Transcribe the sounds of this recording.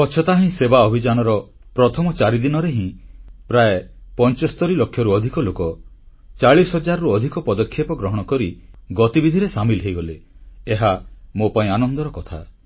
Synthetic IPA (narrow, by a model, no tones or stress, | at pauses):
kɔt͡ʃʰɔt̪aɦĩsebaɔbʱid͡ʒanɔɾɔ | pɾɔt̪ʰɔmɔt͡ʃaɾid̪inɔɾeɦĩpɾaepɔnt͡ʃɔst̪ɔɾilokʰjɔɾuɔd̪ʱikɔlokɔ | t͡ʃaɭisɦɔd͡ʒaɾɔɾuɔd̪ʱikɔpɔd̪ɔkʰːjepɔɡɾɔɦɔɽ̃ɔkɔɾiɡɔt̪ibid̪ʱiɾesamilɦejɡɔleːɦamopaĩanɔnd̪ɔɾɔkɔt̪ʰa